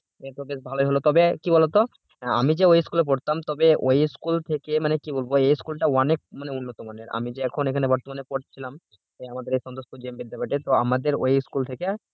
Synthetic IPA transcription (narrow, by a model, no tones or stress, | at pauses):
et̪obeʃbʱaloiɦolot̪ɔbekibɔlot̪o | a̰mid͡ʑeojskulep̬oɽt̪amt̪ɔbeojskult̪ʰekemanekibolboejskulʈawanek̚maneunːot̪omaneɾa̰mid͡ʑeɛkʰonekʰanebɔɾt̪omanepoʈt͡ɕʰilam | eamad̪eɾejsɔnd̪oskud͡ʑembed̪d̪epaʈet̪oamad̪eɾo̰jskult̪ʰekea